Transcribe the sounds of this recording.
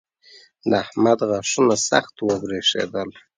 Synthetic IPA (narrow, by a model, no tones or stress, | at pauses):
d̪ahmad̪ɣaʂunasa̰xt̪wəbɾeʂḛd̪əl